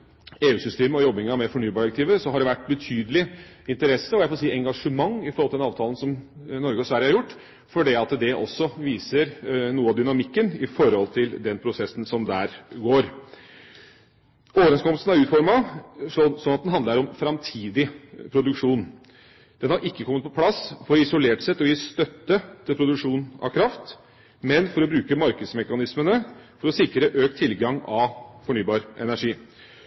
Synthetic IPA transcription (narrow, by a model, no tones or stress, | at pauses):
eːʉːsʏst̪eːməɔjɔbːɪŋɑmɛfɔɳyːbɑːɖkt̪iːʋəsɔɦɑɖɛʋæʈːbət̪ʰyːd̪əlɪ | ɪnt̪əɾɛsːəɔjæɪfɔlsiːɛŋɡɑʂəmɑŋːɪfɔɾhɔlɪd̪ɛnɑːʋt̪ʰɑːlən̩sɔmnɔɾɡəɔsʋæɾjəhɑɾjʊʈː | fɔɖiɑt̪d̪ɛʔɔsːɔʋiːsəɾnuːəɑʋd̪ʏnɑmɪkːənɪfɔɾhɔlt̪ʰɪld̪ɛnpʰɾʊsɛsːn̩sɔmd̪æːɾɡoːɾ | ʔoːʋəɾɛnskʰɔməlsn̩æɾʉːt̪fɔɾmɑsɔsɔnːɑt̪d̪ɛnɦɑnd̪əɾɔmfɾɑmt̪ʰiːd̪ɪpʰɾʊd̪ʉkʂuːn | d̪̥ɛnhɑɾʔɪkːəkʰɔmːət̪̚pʰɔpʰlɑsfɔɾɔɪsʊleːʈsɛt̪ːɔjiːst̪œt̪ːət̪ʰɪlpʰɾʊd̪ʉkʂuːnɑ̰ʋkʰɾɑft̪ | mɛnfɔɾɔbɾʉːkəmɑɾkəd̪smɛkɑnɪsmənəfɔɾɔsɪkɾəʔøːkt̪ʰːɪlɡɑŋɑʋfɔɳyːbɑːɾʔɛ̰næʂiː